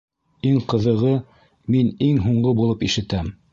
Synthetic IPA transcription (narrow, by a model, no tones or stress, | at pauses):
iŋqɤ̆ðɤ̆ʁɤ | miniŋɦuɴɢɤbulˠɤpiʃɘ̆t̪æm